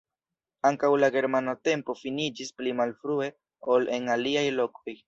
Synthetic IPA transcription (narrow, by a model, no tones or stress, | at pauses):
aŋkawlaɡe̞ɾmanate̞mpo̞finid͡ʒisplimalfɾue̞ | o̞lʔe̞naliajlo̞ko̞j